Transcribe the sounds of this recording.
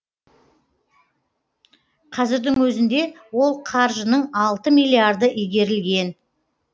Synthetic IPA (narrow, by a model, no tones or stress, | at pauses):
qʰɑzɪɾd̪ɪŋwɵzɪnd̪e̞ | wo̞lˠqʰɑɾʒənəɴɑlˠt̪əmilʲiard̪əʔijɡʲe̞ɾɪlɡʲe̞n